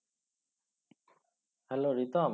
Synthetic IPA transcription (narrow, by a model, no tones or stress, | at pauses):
hɛloːɾit̪aːm